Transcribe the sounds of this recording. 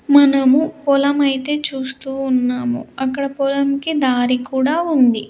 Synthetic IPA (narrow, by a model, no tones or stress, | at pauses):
mɐnɐmupɔlɐmɐjt̪e̞ːt͡ʃuːst̪uːnːaːmṵɐkːɐɽɐpɔlɐmkid̪aːɾikuːɽaːund̪i